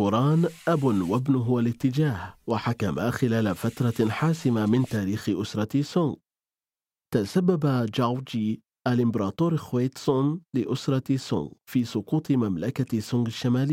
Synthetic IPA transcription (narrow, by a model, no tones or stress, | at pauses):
uɾˤɑːnʔabʊnwabnʊɦʊwalɪt̪ːɪd͡ʒaːhwaħakama̰xɪlaːlafat̪ɾˤɑħaːsɪmamɪnt̪aːɾiːxɪʔʊsɾˤɑsʊŋɡ | t̪asabːabad͡ʒawd͡ʒi | ʔalʔɪmbɑɾˤɑːt̪oːɾˤɪxwejt̪sʊnlɪʔʊsɾˤɑsʊ̰ŋɡfiːsˤʊquːt̪ˤɨmamlakasːʊŋɡaʃːamaːlɪjː